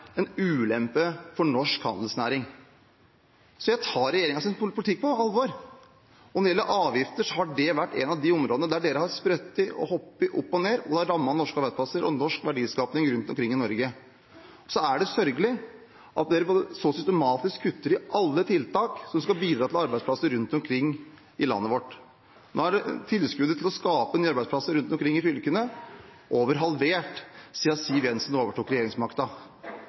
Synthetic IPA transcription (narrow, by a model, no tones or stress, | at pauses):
ɛnʉːlɛmpəfɔɳɔʂkhɑ̰nd̪əl̩snæ̰ːɾɪŋ | sɔjæɪt̪ʰɑːɾɛjeːɾɪŋɑsɪnppʰʊlɪt̪ʰɪk̚ːpʰɔɑlːʋoːɾ | ɔnɛd̪ɪɛlːəʔɑːʋjɪft̪əʂɔhɑɖɛʋæʈːɛ̰nɑʋd̪ɪɔmɾoːd̪ənəd̪æɖeːɾəhɑɾspɾœt̪ːɪʔɔ̰hɔpːɪʔʊpːɔneːɾɔd̪ɛɑɾɑmːɑnɔʂkɑɾbæɪpʰɑsəɾʔɔ̰nɔʂkʋæɖiːskɑːpnɪŋɾʉnt̪ɔmkʰɾɪŋːɪnɔɾɡə | sɔæɖɛsœɾɡəlɪ | ʔɑt̪̚d̪eːɾəboːd̪əsɔsʏst̪ɛmɑːt̪ɪskʰːʉt̪ːəɾɪʔɑlːət̪ʰɪlt̪ʰɑːksɔmskɑbiːd̪ɾɑːt̪ɪlɑɾbæɪdsplɑsəɾʉnt̪ɔmkʰɾɪŋː | ɪlɑ̰nːəʋɔʈː | noːæɖɛt̪ʰɪlskʉd̪ət̪ʰɪlɔskɑːpənːɑɾbæɪspʰlɑsəɾʉnt̪ɔmkʰɾɪŋːɪfʏlkənə | ʔoːʋəɾɦɑlʋeːʈsiːɑsiːʋjɛnsnoːʋəʈʰuːkɾɛjeːɾɪŋsmɑɾkt̪ɑ